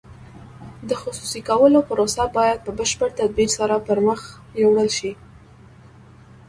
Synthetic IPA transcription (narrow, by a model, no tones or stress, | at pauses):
d̪əxʊsusikawəlopəɾosabɑjad̪̚pəbəʃpəɾt̪ad̪̚biɾsaɾapəɾməx | jewɽəlʃi